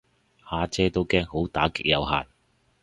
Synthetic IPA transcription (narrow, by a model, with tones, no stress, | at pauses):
haː˨˧t͡sɛː˥t̪o˥wkɛː˥ŋho˨˥wt̪a̰ː˨˥kɪ˨˥k̚jɐ̰˨˧wɦa̰ː˨n̚